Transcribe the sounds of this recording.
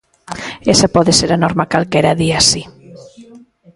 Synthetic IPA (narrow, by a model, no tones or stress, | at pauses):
esapɔðeseɾanɔɾmakalkeɾaðiasi